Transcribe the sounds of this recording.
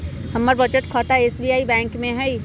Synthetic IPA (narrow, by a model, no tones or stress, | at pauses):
hɐmːəɾbəd͡ʒət̪kʰɔt̪aeːsbiaːibɛ̃ːŋkmẽɦɛi